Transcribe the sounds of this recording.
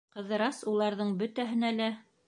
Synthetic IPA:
qɤ̆ðɤ̆ɾɑsulˠɑɾðɤɴbɵt̪æɦɘ̆nælæ

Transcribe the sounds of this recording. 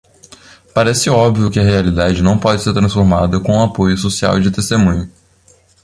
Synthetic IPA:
paɾɛsɪɔbviʊkɪɐɦealid̪ad͡ʒɪnɐ̃w̃pɔd͡ʒɪseɾt̪ɾɐ̃sfoɾmad̪ɐkõũapojʊsosia̰wd͡ʒɪt̪est̪emũɲʊ

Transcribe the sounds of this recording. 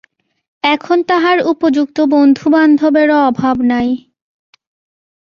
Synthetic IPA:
ɛkʰont̪aɦaɾupod͡ʑuk̚t̪obond̪ʱuband̪ʱobeɾɔbʱabnaj

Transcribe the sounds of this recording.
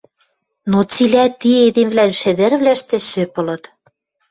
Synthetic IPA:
not͡silʲæt̪ied̪emvlænʃɘ̆d̪ĕrβlæʃt̪ɘ̆ʃɘ̆pɤ̆lɤ̆t̪

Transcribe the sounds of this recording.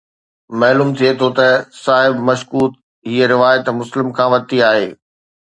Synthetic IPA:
mɐɦluːmt̪ʰiet̪ʰot̪ɐsaːɦɪbmɐʃkuːt̪̚ | ɦiːəɾɪʋaːjət̪mʊslɪmkʰãːʋɐt̪iaːɦeː

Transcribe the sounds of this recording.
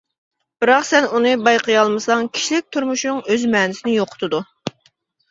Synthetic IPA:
b̥ɨɾɑqsɛnunɨbɑjqʰəjɑlˠmɨsɑŋkʲʰi̥ʃilɪk̚ʲt̪ʰuɾmuʃuŋøzmɛːnɪsɪnɪjoqʰʊ̥t̪ʰʊd̪u

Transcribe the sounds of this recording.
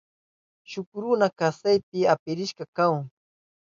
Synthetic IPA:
ʃʊkɾʊnakasajp̚ɪapɪɾɪʃɢɑkaŋ

